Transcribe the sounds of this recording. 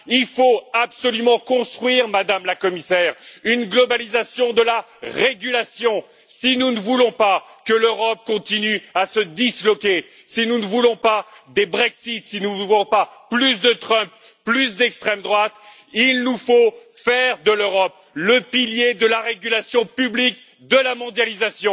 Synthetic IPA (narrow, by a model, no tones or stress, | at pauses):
ilfoabsɔlymɑ̃kɔ̃st̪χɥiʁmad̪amlakɔmisɛʁynɡlɔbalizasjɔ̃d̪əla | ʁeɡʲylasjɔ̃ | sinunəvulɔ̃pakəløʁɔp̚kɔ̃t̪inyasəd̪islɔkʲe | sinunəvulɔ̃pad̪ebʁɛksit̪sinuvulɔ̃paplys̬d̪ət̪χə̃pː | lys̬d̪ɛkst̪χɛmd̪ʁwat̪ | ilnufofɛʁd̪əløʁɔp̚ | ləpiljed̪əlaʁeɡʲylasjɔ̃pyblik | d̪əlamɔ̃d̪jalizasjɔ̃